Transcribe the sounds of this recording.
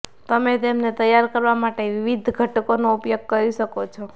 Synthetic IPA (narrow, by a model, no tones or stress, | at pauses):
t̪əmet̪emnet̪əjaɾkəɾʋamaʈeʋiʋid̪ʱɡʱəʈkonoupjoɡ̚kəɾiʃəkot͡ʃʰo